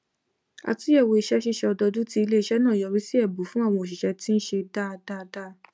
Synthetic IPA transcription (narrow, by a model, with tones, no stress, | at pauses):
a̰˧ti˦ɛ˦˨wo˧i˧ʃɛ˦ʃi˦˨ʃɛ˧ɔ˧dɔ˧du˨˦ti˧i˧le˦i˧ʃɛ˦nãː˦˨jɔ˨˧ɾi˦si˦ɛ˦˨bu˨˦fũ˦a˦˨w̃ɔ̃˧o˨ʃ̬i˨ʃɛ˧ti˦n̩˦ʃe˧da˦˧da˦˨˧da˦˨